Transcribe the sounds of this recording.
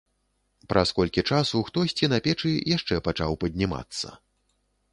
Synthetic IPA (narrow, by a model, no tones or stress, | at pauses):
pɾɐskɔlʲkʲit͡ʂasuxt̪ɔsʲt͡sʲinɐpʲɛt͡ʂɨjaʂt͡ʂɛpat͡ʂawpɐd̪ʲnʲima̰t̪sːɐ̰